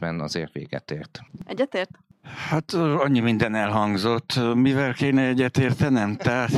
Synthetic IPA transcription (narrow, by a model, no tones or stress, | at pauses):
bɛnɒ̰zeːrt̪ʋḛːɡɛ̰t̪eːrt̪ɛɟːɛt̪eːrt̪ | hat̪ːɒɲːimind̪ɛnɛlɦɒŋɡzot̪ːmivɛlkeːnɛɛɟːɛt̪eːrt̪ɛnɛmt̪a